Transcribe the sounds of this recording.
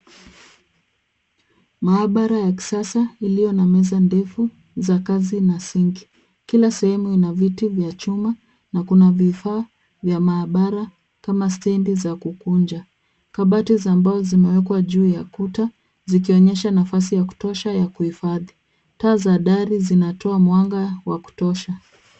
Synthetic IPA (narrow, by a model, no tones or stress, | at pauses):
maːɓaɾajaki̥sasailijɔnamɛzandɛfu | zakazinasiŋɡi | kilasɛhɛmuinavitivjat͡ʃuma | nakunavifaː | vjamaːɓaɾa | kamastɛndizakukund͡ʒa | kaɓatizambazɔzimɛwɛkwaʄuːjakuta | zikiɔɲɛʃanafas̬ijaku̥tɔʃajakuhifaði | taːzaɗaɾizinatɔamwaŋɡawaku̥tɔʃa